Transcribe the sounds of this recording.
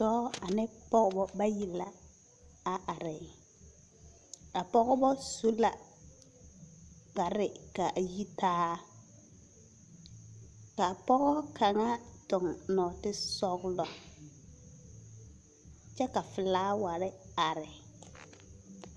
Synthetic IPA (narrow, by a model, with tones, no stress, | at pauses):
tɔː˦a˨nɪ˦pɔ˦ɣbɔ˦ba˦ji˨la˦ | a˨ʔa˨ɾɪ˨ | a˨pɔ˦ɣɔ˦bɔ˦so˦la˨ | ka˨ɾɪ˨ka˨ʔji˦taː˦ | ka˨pɔ˦ɣɔ˦ka˨ŋa˦tʊ˨ŋnɔ˨tɪ˦sɔ˦ɡlɔ˨ | t͡ʃɛ˦ka˨fɪ˨laː˦wa˨ɾɪ˦a˨ɾɪ˨